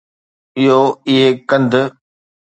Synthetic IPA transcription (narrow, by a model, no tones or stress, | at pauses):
ɪɦoɪɦekɐ̃nd̪ʱ